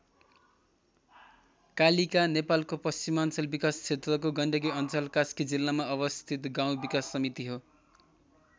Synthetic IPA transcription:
kalikanepalkopʌst͡simant͡sʌlbikast͡sʰet̪rʌkoɡʌɳɖʌɡiʌnt͡sʌlkaskid͡zilːamaʌbʌst̪ʰit̪ɡaw̃bikasːʌmit̪iɦo

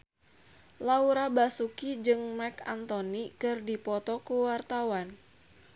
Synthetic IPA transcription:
lauɾabasukid͡ʒɨŋmɛka̰nt̪ɔnikɨrdipɔt̪ɔkuwart̪awan

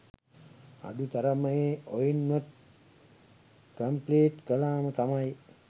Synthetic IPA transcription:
a̰ɖut̪aɾəməjeojinʋɐt̪̚ | kəmpleːʈkəlaːmət̪amaj

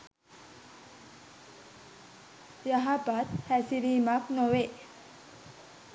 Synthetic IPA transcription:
jaɦapat̪hæsiɾimaknowe

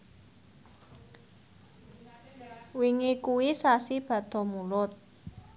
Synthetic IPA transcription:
wiŋikuwisasib̥ä̤d̪̥ɔ̤mulʊt̪̚

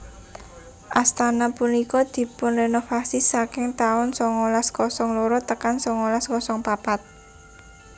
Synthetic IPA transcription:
ʔast̪anapunikɔd̪̥i̤pʊnrenofasisakɪŋt̪aʊnsɔŋolaskɔsɔŋloɾɔt̪əkansɔŋolaskɔsɔŋpapat̪̚

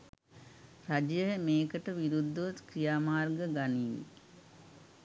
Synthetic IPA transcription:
rad͡ʒjəəmeːkəʈəʋiɾud̪ʱːuʋt̪kɾijaːmaːrɡəɡaniːḛ

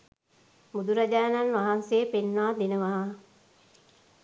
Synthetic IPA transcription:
mud̪uɾad͡ʒaːnanʋaɦansejːpenːaːd̪enəʋaɦa

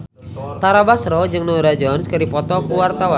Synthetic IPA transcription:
t̪aɾabasɾɔd͡ʒɨŋnɔɾad͡ʒɔnskəɾipɔt̪ɔkuwart̪awa

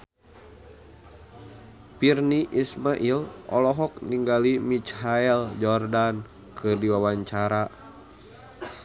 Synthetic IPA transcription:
pirniʔismaʔilɔ̰lɔɦɔk̚niŋɡalimit͡ʃhaɛld͡ʒɔrdan | kʰɨrdiwawaɲt͡ʃaɾa

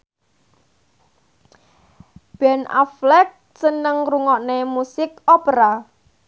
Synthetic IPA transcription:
b̥ɛna̰flɛk̚sənəŋruŋɔʔnemusɪkɔpɾa

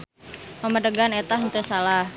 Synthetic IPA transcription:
pəmədəɡanet̪aɦənt̪usalah

